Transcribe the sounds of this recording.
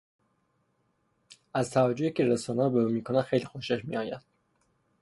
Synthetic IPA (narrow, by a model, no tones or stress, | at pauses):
æzt̪ʰævæd͡ʒohicʰeɾesɒːnæɾbeuːmiːkʰonæ̥xejlixoʃeʃmḭɒːjæ̰d̪̥̚